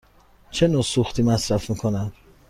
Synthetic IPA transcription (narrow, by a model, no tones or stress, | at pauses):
t͡ʃʰe̞noːsuxt̪ʰiːmæsɾæfmiːkʰonæm